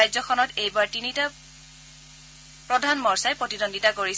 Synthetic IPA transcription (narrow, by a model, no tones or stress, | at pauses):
ajzɔxʰɔnɔtejbaɹtinita | pɹɔdʱanmɔɹsajpɹotinondʱitakoɹis